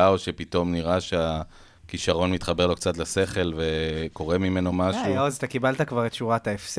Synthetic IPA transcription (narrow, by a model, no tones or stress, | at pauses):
aoʃe̞pit̪o̞mniʁaʃea | kiʃaʁo̞nmit̪χabe̞ʁlo̞kt͡sat̪lese̞χe̞lve̞ko̞ʁemime̞no̞maʃuloazat̪akibalt̪akvaʁet̪ʃuʁat̪aefs